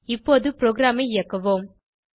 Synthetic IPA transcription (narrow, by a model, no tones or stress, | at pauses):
ɪpːoːðɯpɾoːɡɾaːmɐɪɪjɐkːɐʋoːm